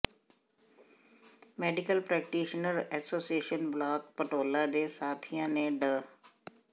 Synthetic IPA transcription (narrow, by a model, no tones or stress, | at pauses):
mɛːɖɪkəlpɾɛːkʈiːʃnəɾɛːsoːsieːʃənblaːk̚pəʈoːlãːd̪eːsaːt̪ʰijãːnẽːɖə